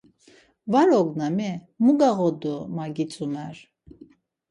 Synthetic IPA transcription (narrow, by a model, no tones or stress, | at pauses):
vaɾɔɡnamɛ | muɡaɣɔd̪umaɡit͡sʼumɛɾ